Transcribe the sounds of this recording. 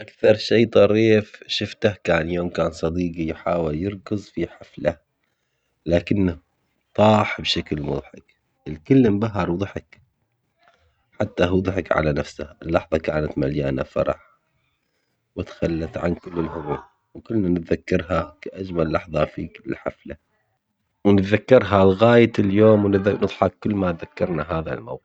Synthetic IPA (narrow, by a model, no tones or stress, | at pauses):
ʔakθɑɾˤʃeːt̪ˤɑɾiːfʃɪft̪ahkaːnjoːmkaːnsˤɑd̪iːɡijħaːwɪljɪɾkɨzˤfiħafla | laːkɪnːa | t̪ˤɑːħbʃaklmʊðˤħɪk | ʔɪlkɪlːɪmbaɦːɑɾˤwðˤħɑk | ħat̪ːaɦuðˤħɑkʕa̰lanafsaɪlːɑħðˤɑkaːnat̪maljaːna̰fɑ̰ɾˤɑ̰ħ | wɪt̪xalːaθʕa̰nkɪlːɪlɦʊmuː | wkʊlːnanɪt̪ðakːɑɾˤɦakaʔad͡ʒmalːɑħðˤɑfiːkɪlħa̰fla | wnɪt̪ðakːɑɾˤɦalɣaːjaɪljoːmwnnɨðˤħɑkːɪlːmaðakːɑɾˤnaɦaːða̰lma̰wqɪ